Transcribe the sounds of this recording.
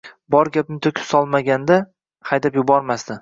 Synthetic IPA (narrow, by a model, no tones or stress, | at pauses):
bɒɾɡʲap̚mɪt̪ʰʊkʲʰɪpsɒlˠmaɡʲand̪a | hajd̪apjʊbɒɾmasd̪ɪ